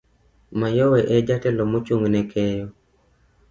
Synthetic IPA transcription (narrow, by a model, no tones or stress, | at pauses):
majɔwɛʔɛd͡ʒatɛlɔmot͡ʃuŋɡnɛkʰɛjɔ